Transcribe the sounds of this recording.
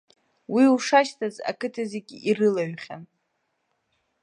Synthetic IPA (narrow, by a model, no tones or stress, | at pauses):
wiuʂaʃtʰaza̰kʰɨtʰazeɡʲirɨlaɥχʲa̰n